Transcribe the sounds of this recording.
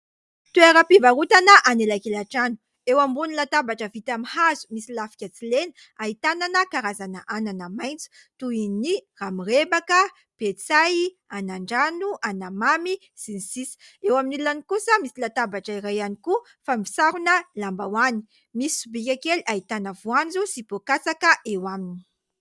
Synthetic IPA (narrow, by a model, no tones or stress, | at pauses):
t̪ueɾəpivaɾut̪anəʔanelakelaʈ͡ʂanu̥ | ewambunilat̪abaʈ͡ʂəvit̪amihazu̥misilafi̥kʲat͡silenə | aɦit̪ananəkaɾazanəʔananəmajnt͡su̥ | t̪uiniramirebakə | pet͡saj | anaɳɖ͡ʐanuʔanamami | sinisisi̥ewaminilːanikusəmisilat̪abaʈ͡ʂəiɾajaniku | famisaɾunəlambawani̥ | misisubikʲakeliaɦit̪anəvuand͡zusipokasakəʔewamini̥